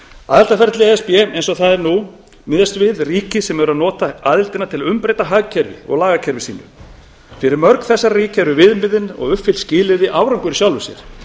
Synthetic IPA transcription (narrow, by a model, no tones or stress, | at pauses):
a̰ðɪlt̪afɛɾt̪lɪɛspɪɛmejnsɔɣθaðɛɾnu | mɪðjast̪vɪðriːcɪsɛmɛvʏɾaðnɔːt̪aaðɪlt̪ɪnat̪ʰɪlaʏmpɾejt̪aɦaɣcʰɛɾvɪ̰ɔ̰ɣlaːɣacʰɛɾvɪsiːnʏ̰ | fɪɾɪɾmœɾkθɛsːaɾriːcɛɾʏvɪðmɪðɪnɔ̰ɣʏfɪlscɪːlɪðɪʔaːwɾawŋkʏɾɪsjawlvʏsjɛ̰ɾ̥